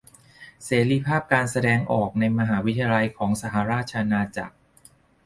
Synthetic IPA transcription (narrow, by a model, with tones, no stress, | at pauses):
seː˩˦ɾiː˧pʰaː˥˩p̚kaː˧nsa˧dɛː˧ŋʔɔː˨˩k̚na˧jma˧ɦaː˩˦wi˦t̪ʰa˧ja˧la˧jkʰɔː˩˦ŋsa˧ɦa˩˦ɾaː˥˩t̪̚t͡ɕʰa˧ʔnaː˧t͡ɕa̰˨˩k̚